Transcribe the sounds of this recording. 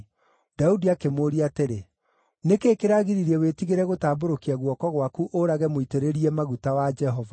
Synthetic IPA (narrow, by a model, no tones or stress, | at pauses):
d̥audiakemoɾiateɾe | nekeːkeɾaɣiɾiɾiɛwetiɣeɾɛɣotaːboɾokiaɣwɔkɔɣwakuʔoɾaɣɛmoiteɾeɾiɛmaɣutawad͡ʒɛɦɔva